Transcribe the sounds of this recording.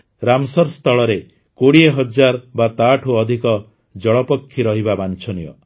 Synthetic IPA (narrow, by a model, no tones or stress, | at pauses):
ɾamsɔɾst̪ʰɔɭɔɾe | koɽieɦɔd͡ʒaɾbat̪aʈʰuɔd̪ʱikɔ | d͡ʒɔɭɔpɔkʰːiɾɔɦibabant͡ʃʰɔnijɔ̰